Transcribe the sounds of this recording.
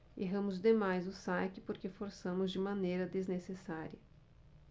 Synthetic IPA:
ḛɦɐ̃mʊzd̪emajzʊsajkɪpoɾkefoɾsɐ̃mʊzd͡ʒɪmɐ̃nejɾɐd̪eznesesaɾiɐ

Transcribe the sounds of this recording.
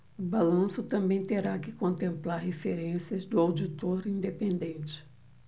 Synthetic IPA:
ʊbalɐ̃sʊt̪ɐ̃mbẽj̃t̪eɾakɪkõnt̪ẽmplaɾɦefeɾẽsiɐzd̪ʊawd͡ʒit̪oɾĩnd̪epẽnd̪ẽnt͡ʃɪ̥

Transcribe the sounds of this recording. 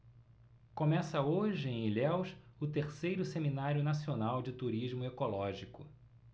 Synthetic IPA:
kõmɛsɐoʒɪẽj̃ilɛwʃʊt̪eɾsejɾʊseminaɾjʊnasionawd͡ʒɪt̪uɾiʒmʊekolɔʒikʊ̰

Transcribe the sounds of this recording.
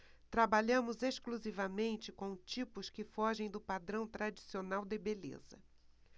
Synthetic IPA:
t̪ɾabaʎɐ̃mʊzeʃkluzivɐmẽnt͡ʃɪkõt͡ʃipʊskɪfɔʒẽj̃d̪ʊpad̪ɾɐ̃w̃t̪ɾad͡ʒisionawd̪ɪbelḛzɐ̰

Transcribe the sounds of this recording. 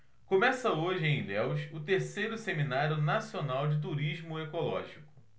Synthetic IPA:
kõmɛsɐoʒɪẽj̃lɛwʃʊt̪eɾsejɾʊseminaɾjʊnasionawd͡ʒɪt̪̬uɾiʒmʊekolɔ̰ʒikʊ̥

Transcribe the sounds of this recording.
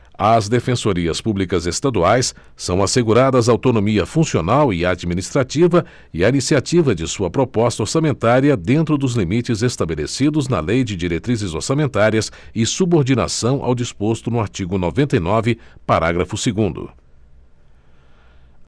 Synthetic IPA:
ɐzd̪efẽsoɾiɐspublikɐzest̪ad̪uajsː | ɐ̃w̃aseɡuɾad̪ɐzɐawt̪onõmiɐfũsionawɪad͡ʒminist̪ɾat͡ʃivɐ | ɪainisiat͡ʃivɐd͡ʒɪsuɐpɾopɔst̪ɐoɾsamẽnt̪aɾiɐd̪ẽnt̪ɾʊd̪ʊzlimit͡ʃɪzest̪abelḛsid̪ʊznɐ̰lejd͡ʒɪd͡ʒiɾet̪ɾizɪzoɾsamẽnt̪aɾiɐsɪsuboɾd͡ʒina̰sɐ̃w̃ʔa̰wd͡ʒispost̪ʊnʊaɾt͡ʃiɡʊnovẽnt̪ɐjnɔvɪpaɾaɡɾɐfʊseɡũnd̪ʊ̰

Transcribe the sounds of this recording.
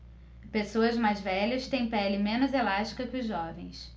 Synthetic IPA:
pesoɐzmajzvɛʎɐst̪ẽj̃pɛlɪmẽnʊzelaʃt͡ʃi̥kɐkɪʊzʒɔvẽj̃s

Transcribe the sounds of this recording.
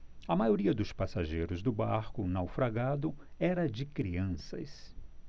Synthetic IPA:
ɐmajoɾiɐd̪ʊspasaʒejɾʊzd̪ʊbaɾkʊnawfɾaɡad̪ʊɛɾɐd͡ʒɪkɾiɐ̃sɐ̰s

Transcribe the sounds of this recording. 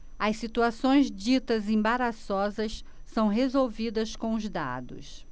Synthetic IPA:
ɐssit̪uasõj̃zd͡ʒit̪ɐzẽbaɾasɔzɐsː | ɐ̃w̃ɦezowvid̪ɐskõʊzd̪a̰d̪ʊ̰s

